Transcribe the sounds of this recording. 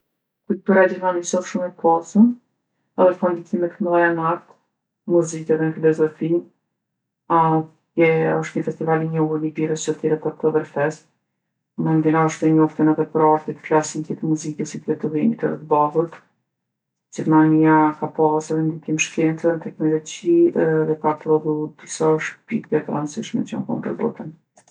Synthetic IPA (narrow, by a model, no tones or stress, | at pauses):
kujt̪uɾad͡ʑɛɾmanisɔðʃumɛpʰasən | ɛðɛpɔnd̪ikimɛt̪kməlˠajanaɾt̪ | muzikɛðɛnəfilɔzɔfi | a | ɛɔʃt̪ɲəfɛst̪ivaliɲɔɦuɾnibiɾəst͡ʃɔt̪ɛɾɛt̪at̪ɔðəɾfɛs | mɛnd̪inaɔʃt̪ɛɲɔft̪ənɛðɛpəɾaɾt̪it̪flasikɛt̪muzikɛsit̪vɛt̪uvimit̪əɾɛt̪bavuɾt̪ | d͡ʑɛɾmaniakapasɛðɛnd̪ik̪imʃkɛnt̪ənt̪ɛknɔlɔd͡ʑiðɛkap̪ɾɔðud̪isaɔʃt̪̚pikdɛt̪ɾansiʃmɛ̰t͡ʃɔ̰ŋkɔ̰mp̪ɔ̰ɾbɔ̰t̪ən